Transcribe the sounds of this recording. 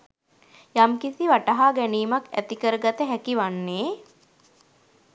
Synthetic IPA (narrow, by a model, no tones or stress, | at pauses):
jamkisiʋaʈaɦaːɡæniːmakæ̰t̪ikəɾəɡat̪əɦækiʋanːeː